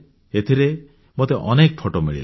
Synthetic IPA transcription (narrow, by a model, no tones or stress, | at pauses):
et̪ʰiɾe | mot̪eʔɔnek̚pʰoʈomḭɭḭl